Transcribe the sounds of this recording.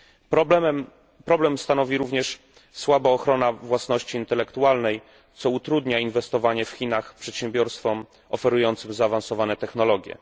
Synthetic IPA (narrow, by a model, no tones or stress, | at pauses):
pɾɔblɛmst̪anɔvʲiɾuvɲɛʂ | swabaɔxɾɔnavwasnɔɕt͡ɕiːnt̪ɛlɛkt̪ualnɛj | t̪sɔut̪ɾud̪ɲainvɛst̪ɔvaɲɛfxʲinaxpʂɛt̪ɕɛmbʲjɔɾst̪fɔm | ɔfɛɾujɔnt̪sɘmzaːvansɔvanɛt̪ɛxnɔlɔɡʲjɛ̰